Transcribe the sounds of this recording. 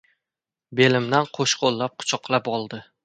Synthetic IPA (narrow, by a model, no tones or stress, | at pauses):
be̞lɪmd̪anqʰoʃqolˠːap̚qʰʊ̥t͡ʃʰɒqlˠapɒlˠd̪ɪ